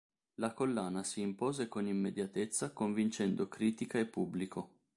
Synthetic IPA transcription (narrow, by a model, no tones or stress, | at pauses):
lakolːaːnasiːmpoːzekonimːed̪jat̪et̪sːakoɱvint͡ʃɛnd̪okɾiːt̪ikaepːubːlikʰo